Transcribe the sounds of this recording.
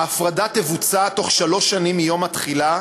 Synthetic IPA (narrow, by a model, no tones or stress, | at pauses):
afʁadat̪evut͡sat̪o̞χʃalo̞ʃːanimijo̞matχila